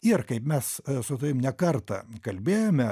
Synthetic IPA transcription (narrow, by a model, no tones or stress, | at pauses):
ɪrkɐɪpmʲɛssʊt̪ɐʋʲɪmnʲɛkɐrt̪ɐ̰kɐlʲbʲeːjomʲɛ